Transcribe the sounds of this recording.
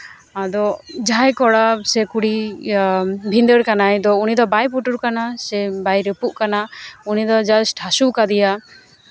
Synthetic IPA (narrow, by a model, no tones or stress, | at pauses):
ad̪ɔd͡ʒajkɔɽasɛkuɽi | bʱind̪əɽkanajd̪ɔunid̪ɔbajpuʈuɾkanasɛbajɾəpuʔkanaunid̪ɔd͡ʒasʈʰasukad̪ija